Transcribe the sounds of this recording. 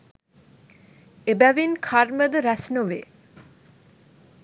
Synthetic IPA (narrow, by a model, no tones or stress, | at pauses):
ebæʋinkʰaɾməd̪əɾæsnoʋe